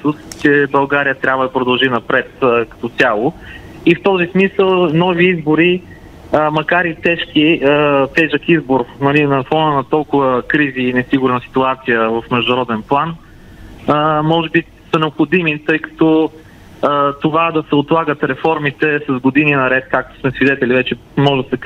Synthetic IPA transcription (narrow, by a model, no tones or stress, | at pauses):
sust͡ʃɛbɐlˠɡaɾijət̪ɾʲabvəd̪ɐpɾʊd̪ɐlˠʒinɐpɾɛt̪əkɐ̥t̪ɔt̪sʲalˠʊ | ift̪ɔzismisəlˠnɔviizbʊɾi | əmɐkaɾit̪ɛʃkiət̪ɛʒəkizbʊɾnɐlinɐfɔnənɐt̪ɔlˠkʊvəkɾiziːnɛsiɡʊɾnəsi̥t̪uat̪sijəvɐfmɛʒd̪uʊnɐɾɔd̪ɛnplˠan | əmɔʒɛbi | sənɛopxod̪imit̪ɤjkɐ̥t̪ɔ | ət̪ovad̪ɐsɛot̪lˠaɡət̪ɾɛfɔɾmit̪ɛsɐzɡod̪ininɐɾɛt̪̚kak̚t̪o̥smɛsvid̪ɛt̪ɛlivɛt͡ʃɛ | mɔʒd̪ɐsɛk